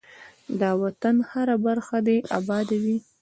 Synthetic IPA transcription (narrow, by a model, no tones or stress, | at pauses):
d̪ɑwat̪anhaɾabaɾxad̪eʔabɑd̪awi